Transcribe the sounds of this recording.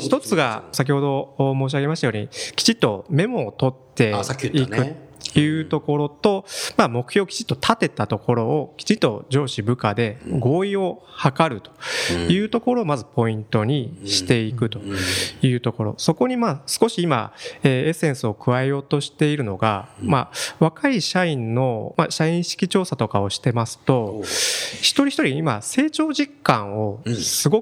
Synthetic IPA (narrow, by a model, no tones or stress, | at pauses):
çi̥t̪ot͡sɨɡasak̬ʲiho̞d̪o̞moːɕ̬iaɡe̞maɕit̪ajoːɲ̟ikʲi̥t͡ɕit̪ːo̞me̞mo̞ːt̪o̞t̪ːe̞ikɯojɯ̟ːt̪o̞ko̞ɾo̞t̪o̞mamo̞kɯ̟ço̞ːkʲi̥t͡ɕi̥t̪ːot̪ʰat̪e̞t̪at̪o̞ko̞ɾo̞ːkʲi̥t͡ɕit̪ːo̞̰d͡ʑo̞ːɕibɯ̟kad̪e̞ɡo̞ːio̞hakaɾɯ̟t̪o̥jɯ̟ːt̪o̞ko̞ɾo̞ːmazɨpo̞ĩnt̪o̞ɲ̟iɕi̥t̪e̞ikɯ̟t̪o̞jɯ̟ːt̪o̞ko̞ɾo̞̰so̞ko̞ɲ̟imasɨ̥ko̞ɕiima̰eːe̞sẽ̞ɰ̃sɨo̞kɯ̟βaeo̞ːt̪o̞ɕi̥t̪e̞iɾɯ̟no̞ɡa̰maβakaiɕaĩnːo̞maɕaĩɰ̃ɕi̥kʲit͡ɕo̞ːsat̪o̞kao̞ɕi̥t̪e̞masɨ̥t̪o̞ | çi̥t̪o̞ɾʲiçi̥t̪oɾʲiimase̞ːt͡ɕo̞ːʑikːãɰ̃o̞sɨɡo̞k